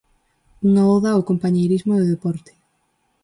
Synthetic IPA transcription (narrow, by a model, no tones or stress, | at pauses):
uŋaɔðɐokompaɲejɾizmʊðɪðepɔɾt̪ɪ̥